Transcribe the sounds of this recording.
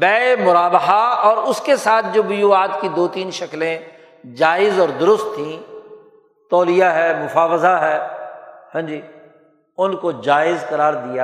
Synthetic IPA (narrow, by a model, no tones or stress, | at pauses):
bɛːemʊɾaːbɦaɔːɾʊskesaːt̪̚ʰd͡ʒoːbʊjuːaːt̪kid̪oːt̪iːnʃɐklẽ | d͡ʒaːɪzɔːɾd̪ʊɾʊst̪ʰːĩː | t̪ɔːlijaɦɛːmʊfaːʋəzaɦɛː | hɐ̃md͡ʒiː | ʊnkod͡ʒaːɪzkɐɾaːɾd̪ija